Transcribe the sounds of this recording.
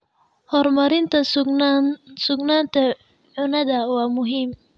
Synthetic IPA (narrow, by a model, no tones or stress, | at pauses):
hɔɾmaɾint̪as | sʊɡnant̪a | ʕʊnad̪awamʊɦim